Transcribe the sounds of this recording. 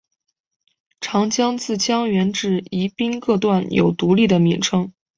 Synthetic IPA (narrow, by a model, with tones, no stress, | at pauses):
ʈ͡ʂʰɑ˧˥ŋt͡ɕjɑ˥ŋt͡sɹ̩˥˩t͡ɕʰjɑ˥ŋɥɛ˧˥nʈ͡ʂɻ̩˥˩i˧˥pi˥nkɤ˥˧t̪wa˥˩njʔo̰˨˩ʊt̪u˧˥li˥˩d̪ə˩mi˨˩nʈ͡ʂʰɤ˥ŋ